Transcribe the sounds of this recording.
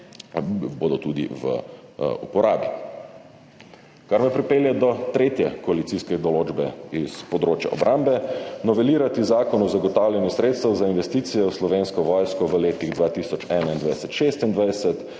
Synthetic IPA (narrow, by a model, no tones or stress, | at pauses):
boːd̪ɔt̪ud̪ḭʋə̰ | ṵpɔɾaːbḭ | kaɾmɛpɾipeːljɛd̪ɔt̪ɾeːt̪jɛkɔalit̪siːskɛd̪ɔloːd͡ʒbɛispɔd̪ɾoːt͡ʃja̰ʔɔ̰bɾʔambɛnɔʋɛliːɾat̪izaːkɔnɔzaɡɔt̪awlʲjɛnjusɾeːt̪st̪ɐwzainʋɛst̪iːt̪sijɛwslɔʋeːnskɔʋɔːjskɔʋəleːt̪iɣd̪ʋaːt̪iːsɔt͡ʃɛːnaind̪ʋajsɛt̪ʃest̪ind̪ʋajsɛt̪